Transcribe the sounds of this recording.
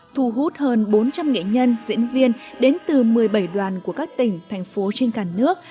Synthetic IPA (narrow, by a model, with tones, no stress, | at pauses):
t̪ʰu˧˩ɦu˦˥t̚həː˧nɓo˨˦nt͡ɕa˧mŋḛ˧˨ɲə˧nzḭ˧˥ənvi˧ənɗe˨˦nt̪ɨ˨˩mɨ˨˩əjɓə˧˩jɗwaː˨˩nku˧˩əkaː˦˥k̚t̪ï˧˩ŋ̟t̪ʰɛ˨˩jŋ̟fo˨˦t͡ɕe˧nkaː˧˩nɨ˦˥ək̚